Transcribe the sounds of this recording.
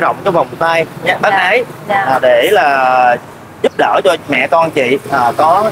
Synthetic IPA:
zə̰˧˨wŋ͡mt͡ɕɔ˧va˨˩wŋ͡mt̪aː˧jɲa˨˦ɓaː˦k̚ʔə˨˦jʔaː˨˩ɗe˧˩laː˨˩ | zʊ˦˥p̚ɗəː˧˩t͡ɕɔ˧mɛ̰˧˨kɔ˧nt͡ɕḭ˧˨ʔaː˨˩kɔ˨˦

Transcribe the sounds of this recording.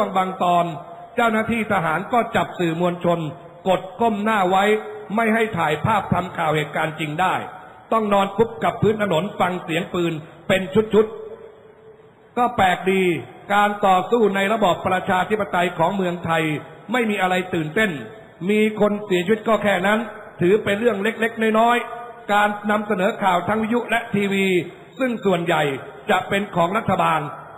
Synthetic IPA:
u˥˩əŋbaː˧ŋt̪ɔː˧n | t͡ɕa˥˩wnaː˥˩t̪ʰiː˥˩t̪ʰa˧ɦaː˩˦nkɔː˥˩t͡ɕa˨˩p̚sɯː˨˩mu˧ənt͡ɕʰo˧n | ko˨˩t̪̚kʰo˥˩mnaː˥˩wa˦˥jma˥˩jɦa˥˩jt̪ʰaː˨˩jpʰaː˥˩p̚t̪ʰa˧mkʰaː˨˩wheː˨˩t̪̚kaː˧nt͡ɕi˧ŋdaː˥˩j | t̪ɔ˥˩ŋnɔː˧npʰu˦˥p̚ka˨˩pʰːɯː˦˥nt̪ʰa˧no˩˦nfa˧ŋsi˩˦əŋpɯː˧n | pe˧nt͡ɕʰu˦˥t̪̚t͡ɕʰu˦˥t̪̚ | kɔː˥˩pɛː˨˩k̚diː˧kaː˧nt̪ɔː˨˩suː˥˩na˧jɾa˧bɔː˨˩pːɾa˧t͡ɕʰaː˧t̪ʰi˦˥pːa˧t̪a˧jkʰɔː˩˦ŋmɯ˧əŋt̪ʰa˧jma˥˩jmiː˧ʔa˧ɾa˧jt̪ɯː˨˩nt̪e˥˩n | miː˧kʰo˧nsi˨˦t͡ɕʰi˧˦˥t̪̚kɔː˥˩kʰɛː˥˩na˦˥nt̪ʰɯː˩˦pe˧nɾɯ˥˩əŋle˦˥k̚le˦˥k̚na˥˩jnɔː˦˥jkaː˧nːa˧msa˧nɤː˩˦kʰaː˨˩wt̪ʰa˦˥ŋwi˦˥ju˦˥lɛ˦˥t̪ʰiː˧wiː˧ | sɯ˥˩ŋsu˨˩ənja˨˩jt͡ɕa˨˩ʔpe˧nkʰɔː˩˦ŋɾa˦˥t̪ʰːa˧baː˧n

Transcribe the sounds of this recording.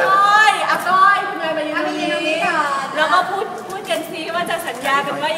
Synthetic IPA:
jʔa˧t̪ɔː˧˥˩jkʰu˧nːaː˧jma˧a˧˦˧i˦˧˩ɾɛː˦˥kɔː˥˩pʰuː˥˩t̪̚pʰuː˥˩t̪̚ka˧nsʰi˦˥˩waː˥˩t͡ɕa˨˩sʰa˩˦njaː˧ka˧nwaː˥˩

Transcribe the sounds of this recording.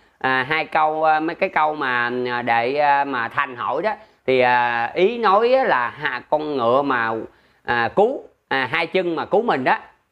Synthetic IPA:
ʔaː˨˩ɦaː˧jkə˧wmə˨˦jkaː˨˦jkə˧wmaː˨˩˨ɗe˧˩˧maː˨˩t̪ʰa˨˩ŋ̟ɦo̰˧˩jɗɔ˨˦t̪ʰi˨˩ʔa˨˩ʔi˨˦no˨˦jʔaː˨˦laː˨˩ɦa̰ː˧˨kɔ˧nŋɨ̰˧˨əmaː˨˩ | ʔaː˨˩ku˨˦ | ʔaː˨˩ɦaː˧jt͡ɕɨ˧ŋmaː˨˩ku˨˦mï˨˩ŋ̟ɗɔ˨˦

